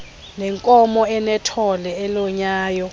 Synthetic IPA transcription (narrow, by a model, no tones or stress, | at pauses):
nɛŋkʼɔmɔɛnɛtʰɔlɛɛlɔɲaːjɔ